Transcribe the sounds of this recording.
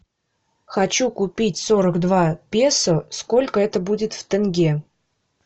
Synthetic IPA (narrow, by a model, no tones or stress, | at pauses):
xɐt͡ɕukʊpʲitʲsoɾəɡd̪vapʲesʊsko̞lʲkəɛt̪əbudʲɪt̪ft̪ənɡʲe